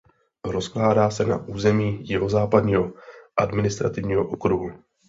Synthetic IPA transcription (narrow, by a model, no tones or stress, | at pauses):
ɾo̞sklaːdaːsɛna̰ʔuːzɛmiːjɪɦo̞zaːpadɲiːɦo̞ʔadmɪnɪst̪ɾat̪ɪvɲiːɦo̞ʔokɾuɦu